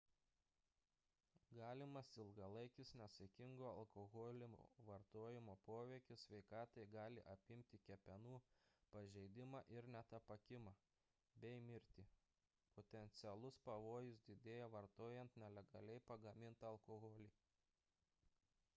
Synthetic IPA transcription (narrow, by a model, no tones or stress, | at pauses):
ɡɑːlʲɪmɐsɪlˠɡɐlˠɐɪkʲɪsnʲɛsɐkʲɪŋɡoːɐlˠkoɣoːlʲɪmo̰ːʋɐɾt̪oːjɪmoːpoːʋʲɛɪkʲʊssʲʋʲɛɪkɑːt̪ɐɪɡɑːlʲɪʔɐpʲɪmʲt̪ʲɪkʲɛpʲɛnuːpɐʒʲɛɪd̪ʲɪmɑːʔɪɾnʲɛt̪ɐpɐkʲɪmɑː | bʲɛɪmʲɪɾʲt̪ʲi | pot̪ʲɛnʲt̪sʲɪɛlˠʊspɐʋoːjʊs̬d̪ʲɪd̪ʲeːjɛʋɐɾt̪oːjɛnt̪nʲɛlʲɛɡɐlʲɛɪpɐɡɐmʲɪnt̪ɐɐlˠkoɣoːlʲiː